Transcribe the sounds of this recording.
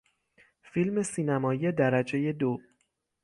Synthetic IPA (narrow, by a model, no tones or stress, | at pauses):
filme̞siːnæmɒːjjed̪æɾæd͡ʒe̞je̞d̪o